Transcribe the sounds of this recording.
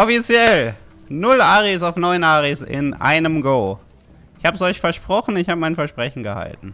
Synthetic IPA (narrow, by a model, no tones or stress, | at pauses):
ʔɔfit͡sjɛl | nʊlʔaːʁisaʊfnɔʏnʔaːʁisɪ̰nʔa̰ɪnəmɡoː | ɪçhaːbəsɔʏçfɛɐʃpʁ̥ɔχn̩ɪçhaːbəmaɪnfɛɐʃpʁ̥ɛçn̩ɡəha̰ltn̩